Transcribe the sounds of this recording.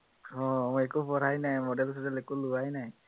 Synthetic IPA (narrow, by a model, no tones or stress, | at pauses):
ɔɛkupɔɹajnajmɔdɛlsɔzalɛkulʊwajnaj